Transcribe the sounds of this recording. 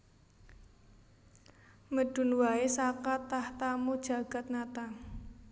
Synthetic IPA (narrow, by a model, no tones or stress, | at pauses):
məɖ̥ṳnwaesakat̪aht̪amud̥ʒ̥a̤ɡ̥a̤t̪̚nat̪aŋ